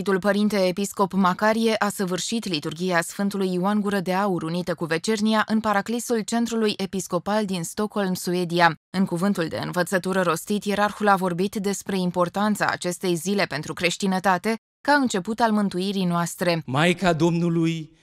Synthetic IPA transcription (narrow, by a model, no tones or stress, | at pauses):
it̪ulpəɾint̪e̞ːpisko̞pmakaɾije̞ʔasəvɨrʃit̪lit̪urɡʲijasfɨnt̪ulujuanɡuɾəd̪e̞auɾunit̪əkuve̞t͡ʃe̞rniaʔɨnpaɾaklisult͡ʃe̞nt̪ɾulujʔe̞pisko̞pald̪inst̪o̞kho̞lmsue̞d̪iaɨŋkuvɨnt̪uld̪e̞̰ɨ̰nvət̪sət̪uɾəɾo̞st̪it̪je̞ɾarxulavo̞rbit̪d̪e̞spɾe̞impo̞rt̪ant̪sa̰ːt͡ʃe̞st̪e̞jzile̞pe̞nt̪ɾukɾe̞ʃt̪inət̪at̪e̞ | kaɨnt͡ʃe̞put̪almɨnt̪uiɾijnoast̪ɾe̞majkad̪o̞mnuluj